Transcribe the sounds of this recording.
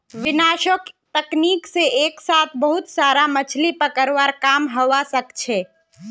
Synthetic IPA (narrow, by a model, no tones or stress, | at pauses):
ʋɪnaːʃokt̪əkniːkseʔeːksaːt̪ʰbəɦʊt̪saːɾamət͡ʃʰlipəkəɾʋaɾkaːmɦəʋasəkt͡ʃʰeː